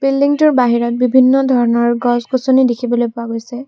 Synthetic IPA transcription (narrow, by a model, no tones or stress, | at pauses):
b̥ilːiŋtʊɹbaɦiɹɔt̚bibʱinːɔdʱɔɹɔnɔɹɡɔzkusonidekʰibɔlojpʊaɡojsɛ